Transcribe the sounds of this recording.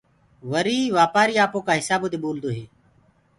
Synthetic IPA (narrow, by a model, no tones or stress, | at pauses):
ʋəɾiːʋaːpaːɾiːaːpõːkaːɦɪsaːboːt̪eːɓoːld̪oːɦeː